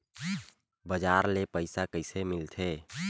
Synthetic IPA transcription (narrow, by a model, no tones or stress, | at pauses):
bəd͡ʒaːɾlepəɪsakəɪsemɪlt̪ʰe